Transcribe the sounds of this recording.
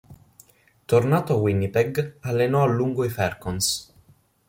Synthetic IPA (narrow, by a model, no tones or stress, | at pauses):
t̪ornaːt̪oawinːipɛɡalːenɔalːuŋɡoifɛrkons